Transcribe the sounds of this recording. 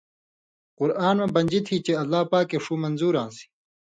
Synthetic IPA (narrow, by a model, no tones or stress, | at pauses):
qʊɾaːnmẽbɐɲd͡ʑit̪ʰit͡ɕeɐlːaːpaːkːeʂuːmɐnzuːɾãːnsi̥